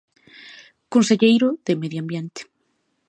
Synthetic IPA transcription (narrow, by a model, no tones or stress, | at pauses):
konseʎejɾoðemeðjoambjent̪e̥